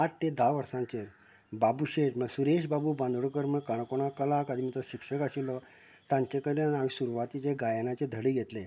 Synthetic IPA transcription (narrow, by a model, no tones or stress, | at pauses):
aʈ̚t̪ed̪ʱaʋəɾsãɲt͡ɕeɾ | babuɕeʈməɡsuɾeɕbabuːbãnd̪ʱɽokəɾməkaɳ̃koɽ̃akəlakad̪ʱimit͡s̪ɔɕikʂəkəɕilɔ | t̪ãɲt͡ɕekəɽenamisuɾuʋat̪it͡ɕeɡajanat͡ɕed̪ʱəɽiːɡʱet̪le